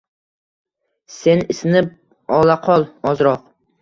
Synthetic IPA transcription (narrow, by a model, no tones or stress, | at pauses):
senɪsɪnɪp̚ | ɑlˠɑqʰɒlˠɒzɾɑq̚